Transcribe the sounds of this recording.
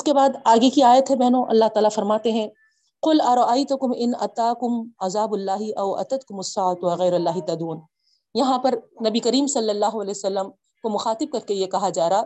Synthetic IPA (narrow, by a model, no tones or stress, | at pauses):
ɪskebaːd̪aːɡekiaːjət̪ɦɛbɛɦnõʔɐ̰lːaːɦt̪aːlafɐɾmaːt̪eɦɛ̃ | qʊlɐɾɐʔajt̪ʊkʊmɪnɐ̰t̪aːkʊmɐzaːbʊlːaːɦiʔɐʊʔɐ̰t̪ɐt̪kʊmʊsːaːt̪ʋɐɣɐjɾɐlːaːɦɪt̪ɐd̪uːn | jɐɦãpɐɾnɐbikɐɾiːmsɐlːɐlːaːɦoɐlɛːsɐlːəm | komʊxaːt̪ɪb̚kɐɾkejekɐɦad͡ʒaːɾaː